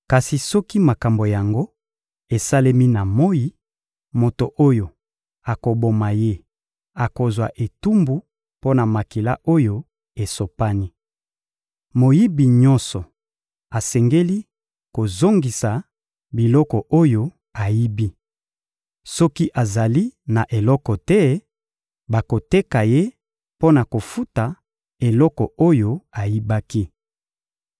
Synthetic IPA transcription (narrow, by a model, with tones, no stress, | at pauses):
ka˨si˨sɔ˦ki˦ma˨ka˨mbo˨ja˨ŋɡo˦ | e˨sa˦le˦mi˦na˨mo˦ji˦ | mo˨to˨ʔo˦jo˨ | a˨ko˨bo˨ma˨je˦ | a˨ko˨zwa˨ʔe˨tu˦mbu˦ | po˦na˨ma˨ki˨la˦ʔo˦jo˦ | e˨so˨pa˦ni˦ | mo˨ji˦bi˨ɲɔ̃˦nsɔ˨ | a˨sɛ˨ŋɡe˦li˦ | ko˨zo˦ŋɡi˨sa˨ | bi˨lɔ˦kɔ˨o˦jo˦ | a˨ji˦bi˦ | sɔ˦ki˦ʔa˨za˨li˦na˨ʔe˨lɔ˦kɔ˨tɛ˦ | ba˨ko˨te˦ka˨je˦ | po˦na˨ko˨fu˦ta˨ | e˨lɔ˦kɔ˨o˦jo˦a˨ji˦ba˦ki˦